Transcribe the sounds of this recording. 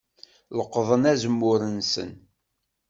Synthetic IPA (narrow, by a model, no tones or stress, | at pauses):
ləqːðˤənæzəmːʊɾənsə̰n